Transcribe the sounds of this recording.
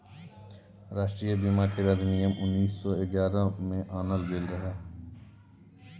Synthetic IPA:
ɾaːʃʈɾijəbimaːked̪ɐd̪nijəmʔʊnːiːsːɔːɪɡjaːɾãmẽʔaːnəlɡelɾəɦeː

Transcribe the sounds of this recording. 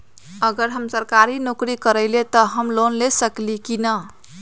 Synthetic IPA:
əɡəɾɦəmsəɾkaɾinokɾikəɾəɪlet̪ɔɦəmlonlesəklikinə

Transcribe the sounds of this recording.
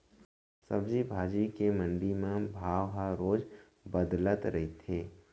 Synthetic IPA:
səbd͡ʒibʱaːd͡ʒikemə̃ɳɖimẽbʱaːʋɦaɾoːd͡ʒ | bəd̪lət̪ɾɐɦit̪ʰeː

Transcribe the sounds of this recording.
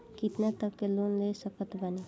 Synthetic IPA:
kit̪nat̪əkkelunlesəkət̪bəni

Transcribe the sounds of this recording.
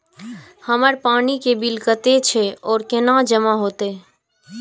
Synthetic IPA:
həməɾpaːnikebilkət̪et͡ʃʰɛɔːɾkenad͡ʒəmaɦoːt̪e

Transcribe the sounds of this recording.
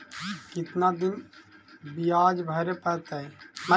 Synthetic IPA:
kɪt̪nad̪in | biaːd͡ʒbʱəɾepət̪əmə

